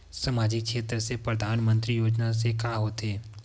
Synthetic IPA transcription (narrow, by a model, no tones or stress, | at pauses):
səmaːd͡ʒɪk̚kʃeːt̪ɾəsepɾəd̪ʱaːnmə̃nt̪ɾijoːd͡ʒnas̬ekaɦoːt̪eː